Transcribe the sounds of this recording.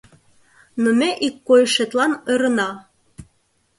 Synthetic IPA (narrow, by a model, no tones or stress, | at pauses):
nŏmeʔikːojʃet̪lɑneɾɤ̆nɑ